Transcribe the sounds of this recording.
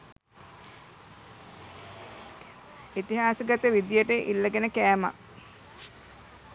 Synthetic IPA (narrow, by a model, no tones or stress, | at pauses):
it̪iɦaːsəɡat̪əʋid̪ijəʈəʔilːəɡenəkæːma̰